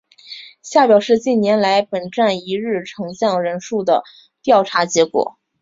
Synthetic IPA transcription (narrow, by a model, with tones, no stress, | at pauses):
ɕja˥˩pjɑ˨˩ʊʂɻ̩˥˧t͡ɕi˥˩njɛ˧˥nla˧˥ɪpə˨˩nʈ͡ʂa˥˩ni˧˥ɻɻ̩˥˩ʈ͡ʂʰɤ˧˥ŋɕjɑ˥˩ŋɻə˧˥nʂu˥˩d̪ə˩ | t̪jɑ˥˩ʊʈ͡ʂʰa˧˥t͡ɕjɛ˧˥kwɔ̰˨˩˦